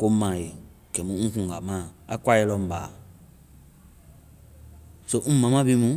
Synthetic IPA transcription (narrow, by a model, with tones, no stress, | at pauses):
ko˦mã˨je˨ | kɛ˨mũ˦ŋ̩ũ˦kũ˨ɡa˨mãː˦˨a˨˦kwa˦je˧˦lɔ˨m˨ba̰ː˨ | so˦ŋ̩̃˦mã˨mã˦bi˦mũ˦